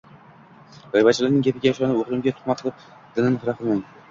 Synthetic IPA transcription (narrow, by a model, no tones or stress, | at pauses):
d̪ɒjvat͡ʃʰɪlaɾnɪŋʲapʰɪɡʲajaʃɒnɪoʁlˠɪmɡʲat̪ʰʊ̥χmat̪ʰɨlˠɨp̚ | d̪̥ɪnɪmhɾaqʰɨlˠmaŋ